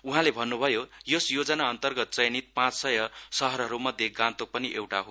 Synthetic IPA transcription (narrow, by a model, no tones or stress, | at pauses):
uɦãlebʱʌnːubʱʌjojosjod͡zʌnaʌnt̪ʌrɡʌt̪̚t͡sʌjnit̪̚pãt͡ssʌjʌsʌɦʌɾɦʌɾumʌd̪ʱjeɡãnt̪ok̚pʌniʔewʈaɦo